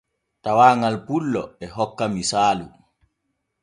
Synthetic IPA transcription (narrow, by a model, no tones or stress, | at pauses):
tawaːŋalpulːɔɛɦɔkːamisaːlu